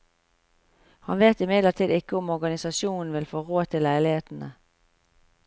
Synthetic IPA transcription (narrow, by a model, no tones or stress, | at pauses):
hɑnʋeːt̪ɪmɪd̪lət̪ʰiːd̪ɪkəɔmɔɡɑnɪsɑʃuːnn̩ʋɪlfoːʁoːt̪ʰɪlæɪlɪheːt̪n̩ə